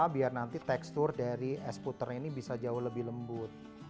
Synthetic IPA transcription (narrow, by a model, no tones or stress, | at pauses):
abiarnant̪it̪ɛkst̪ʊrdaɾiʔɛsput̪ərinibisad͡ʒaʊhləbɪɦləmbʊt̪̚